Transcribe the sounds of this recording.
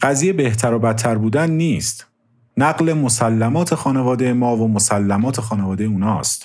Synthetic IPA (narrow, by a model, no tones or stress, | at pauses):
ɢ̥æzijebe̞ht̪ʰæɾobæt̪ʰːæɾbuːd̪ænːiːst̪ | næɢlemosælːæmɒːt̪ʰe̞xɒːnevɒːd̪ejemɒːvomosælːæmɒːt̪ʰe̞xɒːne̞vɒːd̪ejeuːnɒːst̪